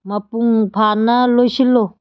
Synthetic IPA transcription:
mɐpuŋpʰanalosilo

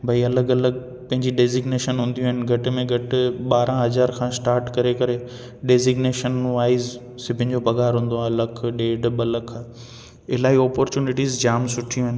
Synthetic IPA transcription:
bʱɐiɐləɡɐləɡ | pɐ̃ɦɪ̃ɲd͡ʑiɖeːzɪɡneːʃənɦʊ̃ːn̆d̪iũɦənɪ̆ɡʱɐʈɪ̆mẽɡʱɐʈɪɓaːɾãɦɐzaːɾkʰãːsʈaːɾʈkɐɾekɐɾe | ɖeːzɪɡneːʃənʋaːɪz | sɪbʱɪnɪ̆d͡ʑobʱɐɡaːɾɦũːn̆d̪oaːlɐkʰɗeːɖɓɐləkʰa | ɪlaːɦiɔːpɔːɾt͡ɕuːnɪʈiːzd͡ʑaːmsʊʈʰijũɦɐənɪ̆

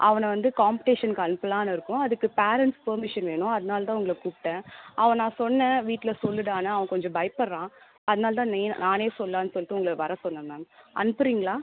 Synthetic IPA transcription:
ʔɐ̰ʋɐnɐʋɐnd̪ɯkaːmpɪʈeːʂɐnkɯɐnɯpːɐlãːnɐɪɾɯkːʊ̃ɐðɯkːɯpaːɾɛɳʈspɐɾmɪʂɐnʋeːɳʊ̃ɐðɐnaːlɐt̪ãːʊŋɡɐɭɐkuːpɪʈːẽːɐʋɐ̃ːnãːsɔnːɛ̃ʋiːʈːɪlɐsɔlːɯɽaːnɐːʋɐ̃kɔɲd͡ʒɔ̃bɐɪpɐɾɾãː | ɐðɐnaːlɐt̪ãːneːnaːneːsɔlːãːnːɯsɔlːɯt̪ːɯʊŋɡɐɭʋɐɾɐsɔnːɐnaːnʔɐ̰nɯpːɯɾiːŋɡɐɭaː

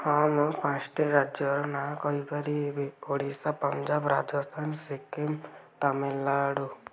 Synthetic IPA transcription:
hampãsʈeɾad͡ʒjɔɾɔnakɔibaɾiebeoɽisapɔnd͡ʒabɾad͡ʒɔst̪ʰansekemt̪amelːaɽu

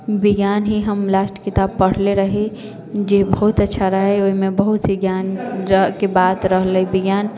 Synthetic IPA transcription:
bɪɡjaːnɦiɦəmlaːsʈə̥kɪt̪aːb̚pɐɽ̤leɾəɦe | d͡ʒeːbəɦʊt̪ɐtːʃʰaɾəɦeoɦimẽbəɦʊt̪seɡjaːnkebaːd̪ɾəɦləibɪɡjaːn

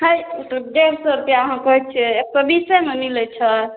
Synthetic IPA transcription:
ɦəjuʈəd̪eɾsɔɾupjaɦãkɔɦɛt͡ʃʰiek̚təbisəmemilɛt͡ʃʰə

